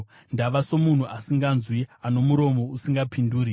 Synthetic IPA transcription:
ndaʋaso̞mun̤uʔasiŋɡanzwiano̞muɾo̞mo̞usiŋɡapinduːɾi

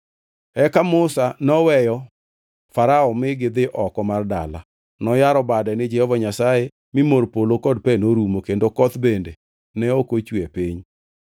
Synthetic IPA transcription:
ɛkamʊsanɔwɛjɔ | faɾaɔmɪɡɪd̪ɪʔɔkɔmarda̰la̰ | nɔjaɾɔbadɛnɪd͡ʒɛhɔvaɲasaje | mɪmoɾpolokɔd̚pɛnoɾumokendokɔt̪bende | nɛokot͡ʃwepiɲ

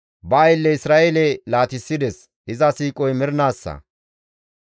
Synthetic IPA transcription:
bɐːjɪlːɛɪsɾaːʔelɛlaːt̪ɪsːɪd̪ɛs | ɪzɐsiːkʼɔjmɪɾnaːsːɐ̰

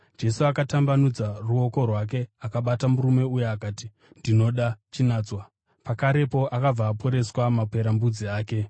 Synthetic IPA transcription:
d͡ʒe̞suakatambanud͡zaruo̞ko̞rwak̬e̞akaɓatamuɾume̞ujeakaːti | ndino̞ɗat͡ʃinaːt͡swa | pakaɾe̞po̞ʔakab͡vaːpʰo̞ɾe̞swamapwe̞ɾambud͡ziaːke̞

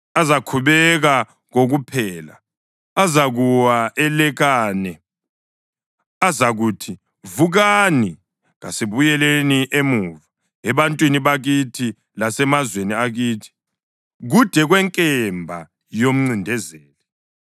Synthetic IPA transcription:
azakʰuβɛɣa | ɣoɣupʰɛːla̰ | azaɣuwaʔɛlɛɣaːnɛ | azaɣuːtʰi | vuɣani | ɣa̰siβujɛleniʔemuva | ɛβantʼwiniβaɣitʰi | lasɛmazweniaɣiːtʰi̥ | ɣud̥ʱɛɣwɛŋkʼɛmbʱa | jom̩ŋ͡ǀindʱɛzɛːlɛ

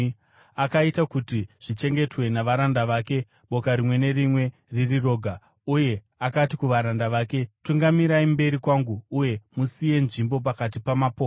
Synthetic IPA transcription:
akaitakutiʐ̥it͡ʃe̞ŋɡe̞twe̞naʋaɾandaʋaːke̞ | ɓo̞kaɾimwe̞ne̞rimwe̞ | ririro̞ːɡʱa | uje̞ | akatikuʋaɾandaʋaːke̞tuŋɡamiɾaimbe̞ɾikwaŋɡuːje̞musije̞nʐimbo̞p̬akat̬ipamapoː

